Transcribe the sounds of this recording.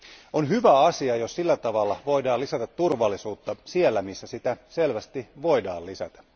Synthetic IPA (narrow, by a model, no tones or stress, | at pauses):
onhyʋæɑsiɑjo̞ssilːæt̪ɑʋɑlːɑʋo̞idɑːlisæt̪ɑt̪t̪ːurʋɑlːisuːt̪ːɑsielːæmisːæsit̪æselʋæst̪iʋo̞idɑ̰ːlisæ̰t̪æ̥